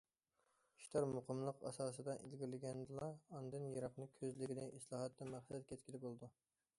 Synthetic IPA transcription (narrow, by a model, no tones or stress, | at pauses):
i̥ʃt̪ʰɑɾmoqʰəmlˠəqɑ̰sɑːsɨd̪ɑʔilɡʲiɾlɪɡʲɛnd̪ɨlˠɑːnd̪ɨnjɑɾɑqnɨkʲʰøzlɪɡʲinɪʔislˠɑːɦɑt̪ːɑmæχsɛt̪kʲʰɛt̪̚kʲʰilɪbolˠɨd̪u